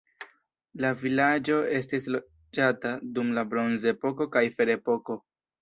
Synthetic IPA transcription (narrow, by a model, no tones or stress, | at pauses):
lavilad͡ʒo̞e̞s̬tislo | d͡ʒatadumlabɾo̞nze̞po̞ko̞kajfe̞ɾe̞po̞ko̞